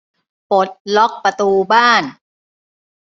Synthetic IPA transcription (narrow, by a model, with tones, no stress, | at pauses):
po˨˩˦t̪̚lɔ˦˥k̚pɾa˧t̪uː˧baː˥˩n